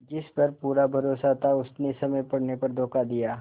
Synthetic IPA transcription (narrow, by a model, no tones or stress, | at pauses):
d͡ʒɪspɐɾpuːɾabʱɐɾoːsat̪ʰaʊsnesɐməjpɐɽnepɐɾd̪ʱoːkad̪ijaː